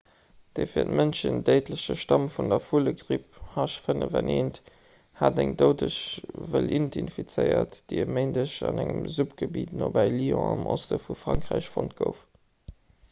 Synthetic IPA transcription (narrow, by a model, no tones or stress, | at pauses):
d̥efiːɐtmənʃəndeɪtʰləɕəʃtɑmfundɐfuləɡʁip̚hɑʃfənəvɛnʔeːnt | haːdæŋdəʊdəʃvəlʔintinfit͡səɪɐtd̥iəməɪndəɕɑnæŋəmzupɡ̥əbiːtnoːbæɪliɔ̃ɑmʔostəfufʁɑŋkʁæɪɕfont̚ɡ̥əʊf